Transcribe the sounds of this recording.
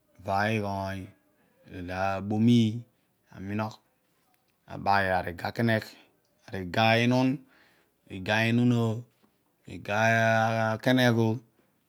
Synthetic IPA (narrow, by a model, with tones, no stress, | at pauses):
va˨i˦ɡɔ˨i˨˦ | i˨la˨ɓo˦mi˦ | a̰˨mi˦nɔ˦k | a̰˨ɓa˨ja˨ɾi˨ɡa˨ke˦ne˦k | a˨ɾi˨ɡa˦i˦nu˦n | i˨ɡa˨i˦nu˦no˦ | ḭ˨ɡa˦˨ | ke˦ne˦ku˦